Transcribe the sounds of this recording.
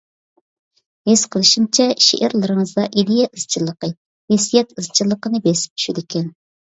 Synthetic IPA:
hez̥qʰəlˠɨʃimt͡ʃʰɛʃḛʔæɾlˠɨɾɨŋəzd̪ɑʔid̪ejɛʔɨz̥t͡ʃʰilˠːəqə | wɛsijɛt̪ɨzt͡ʃʰilˠːəqənɨbesɪ̥p̚t͡ʃʰy̥ʃid̪ɪkʲʰɛn

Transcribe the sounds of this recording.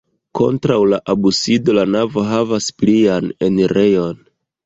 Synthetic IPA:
ko̞̰ntɾawlaʔabusido̞lanavo̞ɦavaspliane̞niɾe̞jo̞n

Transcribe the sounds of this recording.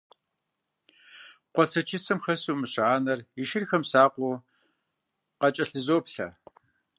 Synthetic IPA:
qʷɔsʰɐt͡ʃʰɪsɐmxɐsuːmɨɕaːnɐriʃɪrxɐmsaːqʷʊ | qɐt͡ʃʼɐɬɨzoːpɬɐ̰

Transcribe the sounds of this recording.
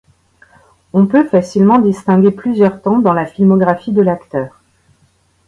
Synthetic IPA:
ɔ̃pøfasilmɑ̃d̪ist̪ɛ̃ɡʲeplyzjœʁt̪ɑ̃d̪ɑ̃lafilmɔɡʁafid̪əlakt̪œːʁ

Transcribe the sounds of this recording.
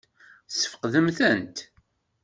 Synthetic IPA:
sə̥fə̥qðəmθənt̪

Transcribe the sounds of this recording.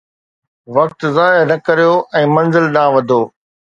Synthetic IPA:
ʋɐk̚t̪zaːjnɐkɐɾijoʔɛ̃ːmɐ̃nzɪlɗ̪ãːʋɐd̪ʱoː

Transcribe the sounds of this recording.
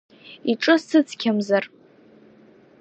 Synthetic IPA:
iʈ͡ʂʼɨssɨt͡sʰkʲʰamzar

